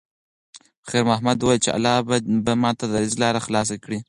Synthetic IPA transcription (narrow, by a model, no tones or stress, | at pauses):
xeɾmahmad̪wɑjlt͡ʃea̰lːɑbbamɑt̪ad̪aɾizlɑɾaxlɑs̬akɽi